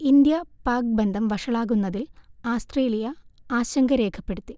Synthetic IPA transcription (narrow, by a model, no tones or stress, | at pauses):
ind̪jɐpaːk̚bend̪ʱɐmʋɐʂɐɭaːɣunːɐðilaːst̪re̞ːlijɐaːɕɐŋɡɐɾe̞ːkʰɐpːe̞ɽut̪ːi